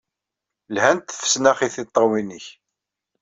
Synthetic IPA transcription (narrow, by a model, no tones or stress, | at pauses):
lhænt̪fə̥snæχiθit̪ˤːɑwiniç